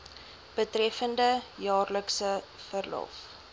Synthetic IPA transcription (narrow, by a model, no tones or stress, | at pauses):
b̥ətrɛfəndəjɑːrləksə | fərlɔ̰f